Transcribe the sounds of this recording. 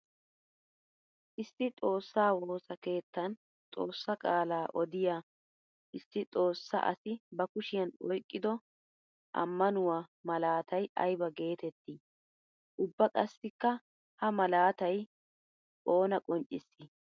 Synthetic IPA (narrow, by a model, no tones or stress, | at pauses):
ʔɪsːɪt͡sʼo̞ːsːaːwoːsɐke̞ːt̪ːɐn | t͡sʼo̞ːsːɐkʼaːlaːʔɔd̪ɪja | ʔɪsːɪt͡sʼo̞ːsːɐ̰ʔɐ̰sɪbɐkʊʃɪjɐnɔjkʼːɪd̪ɔ | ʔɐ̰mːɐnʊwaːmɐlaːt̪ʰɐjɐ̰jbɐɡe̞ːt̪ɛt̪ːi | ʔʊbːɐkʼɐsːɪkːɐ | hɐmɐlaːt̪ɐj | o̞ːnɐkʼɔnt͡ʃʼːɪsːɪ